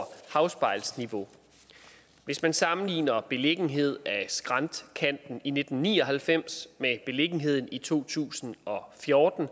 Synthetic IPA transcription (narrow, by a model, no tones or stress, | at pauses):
hɑ̈ʊsb̥ɑ̈ɪlsniʋo̝ | ʋe̝smænsɑ̈mn̩lḭːnɐb̥e̝le̝ɡ̥n̩ɦe̝ð̞̰ˠæsɡ̥ʁɑ̈nd̥kʰæn̰d̥n̩ine̝d̥n̩nːiːɒ̽ɦælfem̰smeb̥e̝le̝ɡ̥n̩ɦe̝ð̞̰ˠn̩it͡sʰo̝̰ːt͡sʰṵːsn̩ɒ̽fjɔːd̥n̩